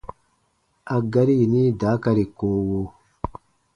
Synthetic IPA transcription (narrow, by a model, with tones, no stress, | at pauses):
a˨ɡa˦ɾi˦˨ni˦daː˨˦ka˦ɾi˨koː˦wo˦